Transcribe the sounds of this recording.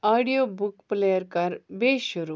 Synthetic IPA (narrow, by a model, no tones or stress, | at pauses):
aɽijobukplejəɾkaɾbeɕuɾu